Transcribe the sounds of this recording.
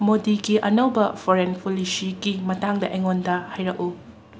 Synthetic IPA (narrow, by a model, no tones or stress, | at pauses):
modiɡiʔɐnɐwbɐpʰoɾenpolisiɡimɐtaŋdɐʔeŋondɐhajɾɐku